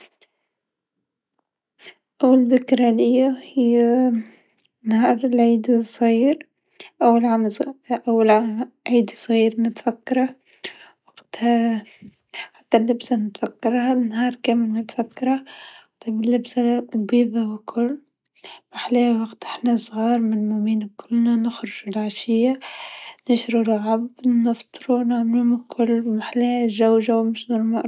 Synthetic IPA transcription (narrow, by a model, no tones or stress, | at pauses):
ʔawːalðɪkɾˤalɪjːahij | nhɑːɾˤɪlʕiːd̪sˤɣiːɾ | ʔawːalʕamʔawːala | ʕiːd̪sˤɣiːɾnɪt̪fakːɑɾˤɑ | waɡt̪ | ħat̪ːalːɪbsanɪt̪fakːɑɾˤanhɑːɾˤkaːmɪlmʊt̪fakːɑɾˤɑt̪ˤɑbɪlːɪbsalbiːðˤɑwɪkʰʊlː | maħleːhwaɡt̪ʔɪħnasˤɣɑːɾˤmɪnmʊmiːnakʰʊlːnanɪxɾɪʒulʕaʃɪjːanɪʃɾuɾɪlʕabnɪft̪ˤɨɾunɪʕmɪlumɪkʰʊlːmaħleːʒawʒawmɪʃnʊmaʔ